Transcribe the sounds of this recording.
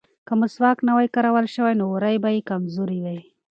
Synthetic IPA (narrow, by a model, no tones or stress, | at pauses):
kamʊswɑknawajkaɾawalʃəwajnoɾajbajikamzuɾidaj